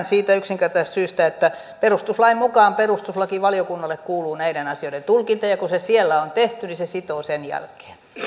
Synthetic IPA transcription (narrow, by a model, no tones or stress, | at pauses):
nsiːt̪æyksiŋkert̪ɑist̪syːst̪æet̪ːæ | perust̪uslɑimmukɑːmperust̪uslɑkiʋɑliokunːɑlːekkuːluːnæiɾenɑsioĭdent̪ulkint̪ɑjɑkusesielːæont̪eht̪ynisesit̪oːsenjæ̰lke̥ːn